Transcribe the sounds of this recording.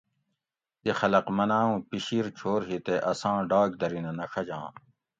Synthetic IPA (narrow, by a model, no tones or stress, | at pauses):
ixɐlɐqmɐnaːũːpiɕiːɾt͡ɕʰoːɾɦit̪eʔɐsãːɖaːk̚d̪ɐɾinɐ̃nɐxʰɐd͡ʑã̰ː